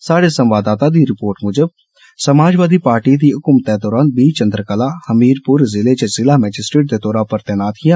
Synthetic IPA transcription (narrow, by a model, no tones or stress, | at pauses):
saːɽeːsəmʋaːd̪aːt̪aːd̪iːɾɪpoːɾʈmʊd͡ʒəb̚ | səmaːd͡ʒʋaːd̪iːpaːɾʈiːd̪iːʊkʊmt̪ɛːd̪ɔːɾaːnbiːt͡ʃənd̪ɾəkəlaːhəmiːɾpʊɾzɪleːt͡ʃəzɪlaːmɛːd͡ʒɪsʈɾeːʈ̚d̪eːd̪ɔːɾaːpəɾt̪ɪnaːt̪kɪjaː